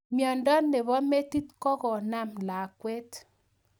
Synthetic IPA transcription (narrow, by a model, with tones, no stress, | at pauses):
mjɔ˨ndɔ˦nːe˨βɔ˦me˦ti˦tkɔ˦kɔ˨na˦mla˨kwɛ˦t